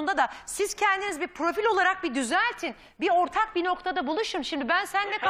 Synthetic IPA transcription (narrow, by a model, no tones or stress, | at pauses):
und̪ad̪asiz̥cʰɛnd̪inizbipʰɾo̞filʲo̞lˠaɾak̚bid̪yzæt̪ʰin | bio̞ɾt̪ʰak̚bino̞kt̪ʰad̪abulˠuʃumʃimd̪ibænsænːɛk